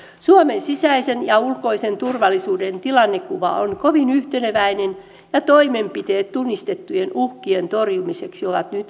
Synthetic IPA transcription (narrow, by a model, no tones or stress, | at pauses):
suomensisæisenjɑulkoisent̪urʋɑlːisuːdent̪ilɑnːekuʋɑ̰o̰nkoʋinyht̪eneʋæinen | jɑt̪oimempit̪eːt̪t̪unːist̪et̪ːujenuhkient̪orjumiseksioʋɑt̪nyt̪